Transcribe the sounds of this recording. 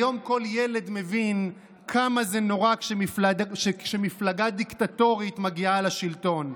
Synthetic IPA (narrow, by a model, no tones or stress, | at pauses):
jo̞mko̞ljele̞d̪me̞vin | kʰamazenoʁakʃemifladaʃekʃemiflaɡad̪iktat̪o̞ʁitmaɡialaʃilto̞n